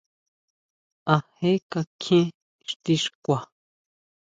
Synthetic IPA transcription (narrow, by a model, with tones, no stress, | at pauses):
a˨he˦ka˧kʰẽ˦ | ʂt̪i˧ʂkʷa˨